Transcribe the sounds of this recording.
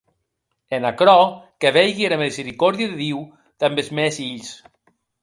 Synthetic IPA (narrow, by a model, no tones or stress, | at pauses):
enakɾɔkeβɛjɣienamizeɾikɔɾðiaðeðiw | d̪̥ambezmɛsiʎs